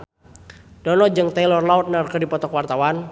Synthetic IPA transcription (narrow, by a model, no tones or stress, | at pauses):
d̥ɔnɔd͡ʒɨŋt̪ɛlɔrlaɔt̪̚nərkərdipɔt̪ɔkwart̪awan